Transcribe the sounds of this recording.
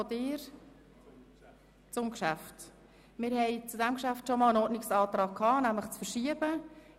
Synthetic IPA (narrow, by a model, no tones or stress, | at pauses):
ɔdɪːɾ | t͡sʊmkʃæft | mɪːɾhɛɪt͡sudɛmkʃæftʃɔmɑːlənɔɾdnɪksɑːt̪rɑːɡ̥̚kʰhɑːnæmləχt͡sfəɾʃiəb̥ə